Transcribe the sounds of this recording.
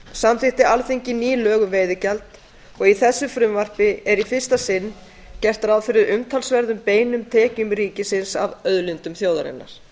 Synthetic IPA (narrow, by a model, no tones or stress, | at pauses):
samθɪht̪ɪalθiɲcɪniːlœːɣʏmveːjðɪcalt̪ | ɔɣiθɛsːʏfɾʏmvar̥pɪɛɾifɪr̥st̪asɪnː | cɛr̥t̪aɾawfɪɾɪɾʏmt̪ʰalsvɛɾðʏmpeːjnʏmt̪ʰɛːcʏmɾiːcɪsɪnsavœðlʏnt̪ʏmθjoːwðaɾɪ̰nːa̰ɾ̥